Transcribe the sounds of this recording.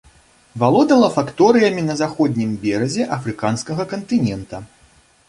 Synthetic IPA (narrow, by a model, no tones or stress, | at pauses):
valˠɔd̪ɐlˠɐfakt̪ɔɾɨjɐmʲinɐzaxɔd̪ʲnʲimbʲɛɾɐzʲɛʔɐfɾɨkanskɐɣɐkɐnt̪ɨnʲɛnt̪ɐ